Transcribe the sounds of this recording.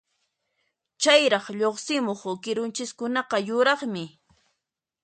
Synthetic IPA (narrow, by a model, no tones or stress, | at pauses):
t͡ʃajɾɑχʎoχsɪmoχʊkɪɾʊnt͡ʃɪskʊnɑqɑjʊɾɑχmɪ